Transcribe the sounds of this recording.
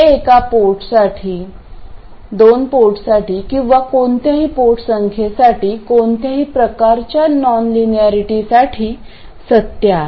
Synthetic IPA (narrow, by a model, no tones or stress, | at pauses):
ekapoɾʈsaʈʰiː | d̪onpoɾʈsaʈiːkĩw̃ʋakoɳt̪aɦiːpoɾʈsəŋkʰesaʈiːkont̪jaɦiːpɾəkaɾt͡ɕjanɔnliniaɾiʈisaʈʰiː | sət̪ːja